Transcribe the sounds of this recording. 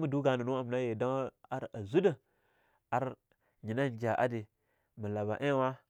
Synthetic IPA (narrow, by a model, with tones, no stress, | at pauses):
mu˨du˦ɡa˨nə˨no˦a˨m˨na˦je˨da˦ŋ˦a˦ɾa˨zu˦də˦ | a˨ɾ | ɲi˨na˦nd͡ʒa˨ʔa̰˦di˨ | mə˨la˨ba̰˨ʔe˦wa˦